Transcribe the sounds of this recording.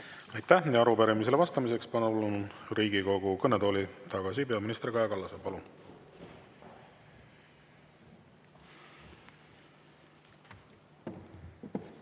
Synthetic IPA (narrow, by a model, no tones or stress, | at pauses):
ɑjt̪ˑːæhjɑɑɾupæɾimis̬elevɑst̪ɑmis̬e̞kspɑnɑulːunriːɡ̥iko̞ɡ̥ukɤnːet̪o̞ːlit̪ɑɡ̥ɑsipe̞ɑminist̪rikɑjɑkɑlːɑsepɑlun